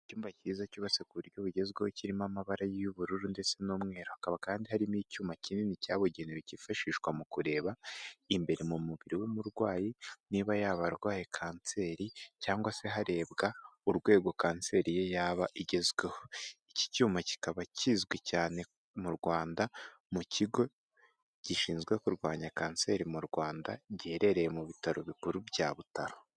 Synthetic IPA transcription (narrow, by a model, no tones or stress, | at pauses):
icuːmbaciːzacuβasekuβuɾjo̞βuɟe̞zɡwehociɾimamaβaɾajijuβuɾuɾunde̞t͡se̞noːmŋe̞ːɾohakaβakaːndiɦaɾimicuːmacinenicaːβoɟeniɾecifaʃiːʃkwamukuɾe̞ːβaimbe̞ɾe̞mumuβiɾiwumuɾɡwaːjiniːβajaβaɾɡwaːjekʰaːnse̞ːɾicaːŋɡwase̞ɦaɾe̞ːbɡauɾɡwe̞ːɡo̞kaːnse̞ːɾije̞jaːβaʔiɟe̞zwe̞hoici̥cuːmaci̥kaβacizɡwecaːne̞ | muɾɡwaːndamuciɡo̞ | ɟ̥iʃiːnzɡwe̞kuɾɡwaːɲakaːnse̞ɾimuɾɡwaːndaɟeːɾe̞ɾe̞jemuβitaɾoβikuɾubja̰ːβutaɾo